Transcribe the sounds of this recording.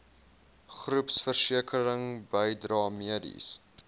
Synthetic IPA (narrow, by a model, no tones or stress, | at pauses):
χrupsfərsiəkʰəɾəŋbəjdrɑːmiədḭs